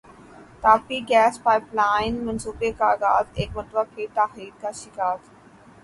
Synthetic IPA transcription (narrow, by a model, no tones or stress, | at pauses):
t̪aːfiɡɛːspaːɪplaːɪnmɐnsuːbekaɡa̰ːzeːkmɐt̪ʋakʰeːt̪aːxiːɾkaʃɪkaːd̪